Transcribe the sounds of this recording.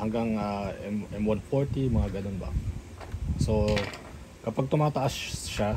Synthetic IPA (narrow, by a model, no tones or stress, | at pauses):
hɐŋɡaŋaʔɛmʔɛmwanfoɹt̪imɐŋaɡɐnonbɐ̰ | so̞ | kɐpaɡ̚t̪ʊmaːt̪ɐʔasʃa